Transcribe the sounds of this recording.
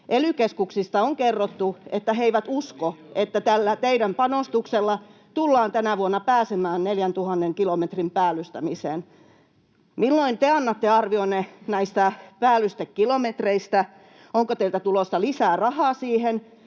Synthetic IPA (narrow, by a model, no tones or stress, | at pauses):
ʔelykeskuksist̪ɑoŋkerːot̪ːuet̪ːæɦeiʋæt̪uskoet̪ːæt̪ælːæt̪eiɾæmpɑnost̪ukselːɑ | t̪ulːɑːnt̪ænæʋuonːɑpæːsemæːnneljænt̪uhɑnːeŋkilomet̪rimpæːlːˑyst̪æmisen | milːoint̪eɑnːɑt̪ːeɑrʋionːenæist̪æpæːlːyst̪ekːilomet̪reist̪æ | oŋkot̪eilt̪æt̪ulosːɑlisæːrɑhɑːsiːhen